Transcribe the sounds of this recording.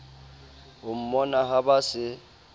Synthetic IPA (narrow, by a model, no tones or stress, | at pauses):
ʊm̩mɔnaɦabasɪ